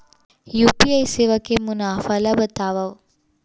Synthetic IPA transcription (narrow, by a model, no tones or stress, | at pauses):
jupiɐjseʋɐkemunaːfɐlɐbət̪aːʋɐw